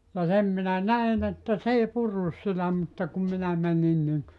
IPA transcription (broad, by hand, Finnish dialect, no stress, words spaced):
jɑ sem minæ næin etːæ s ei purːus sitæ mutːɑ kum minæ mænin niŋ